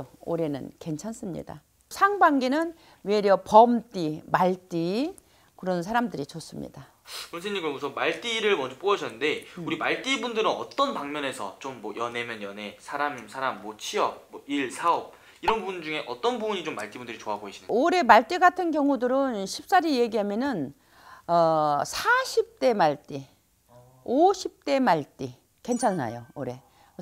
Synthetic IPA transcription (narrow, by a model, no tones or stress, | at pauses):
oo̰ɾe̞nɯ̰nke̞nt͡ɕʰans͈ɯmɲḭda̰ | sʰaŋbaŋɡenɯn | we̞ɾjʌpʌmt͈imaɭt͈i | kɯɾʌnsʰaɾamdɯɾit͡ɕʌs͈ɯmɲḭd̥a | unsʰeɲːimɡomɯsʰʌmaɭt͈iɾɯɭmʌnd͡ʑop͈oʌɕʰʌnːɯnde̞uɾimaɭt͈ibundɯɾɯnʌt͈ʌnpaŋmjʌne̞sʰʌt͡ɕomːwʌjʌne̞mjʌnjʌne̞sʰaɾamimsʰaɾamːwʌt͡ɕʰiʌp̚ːwʌiɭsʰaʌp̚ | iɾʌnbubund͡ʑuŋe̞ʔʌt͈ʌnbubuɲit͡ɕomːaɭt͈ibundɯɾit͡ɕoɦaɡoɦeɕʰinɯoɾe̞maɭt͈iɡatʰɯnkjʌŋudɯɾɯnɕʰip̚s͈aɾije̞ɡiɦamjʌnɯn | ʌsʰaɕʰip̚t͈e̞maɭt͈i | oɕʰip̚t͈e̞maɭt͈i | ke̞nt͡ɕʰana̰jo̰oɾe̞̰